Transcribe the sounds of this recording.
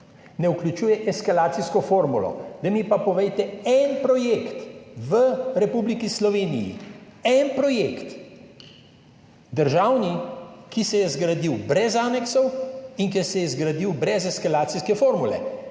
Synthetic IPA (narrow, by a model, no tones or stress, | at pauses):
nɛuklʲut͡ʃuːjɛʔɛskalaːt̪siskɔfoːɾmulɔ̰d̪ɐmipapɔʋɛjt̪ɛɛnpɾɔjeːkt̪ʋəɾɛpublikislɔʋeːnḭjḭɛnpɾɔjekt̪ | d̪əɾʒaːwnikisɛjɛzɡɾad̪iwbɾɛzaːnɛksɔwiŋkɛsɛjɛzɡɾad̪iwbɾɛzɛskalaːt̪sijskɛfoːɾmulɛ̰